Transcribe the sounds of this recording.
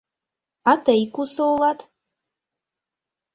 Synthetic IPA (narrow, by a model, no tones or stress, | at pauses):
atʰejkʰʷʼusowlatʼ